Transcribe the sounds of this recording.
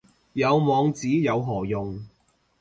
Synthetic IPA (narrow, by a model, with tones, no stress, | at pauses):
jɐ˨˧wmɔː˨˧ŋt͡siː˨˥jɐ˨˧wɦɔː˨˩jʊ˨ŋ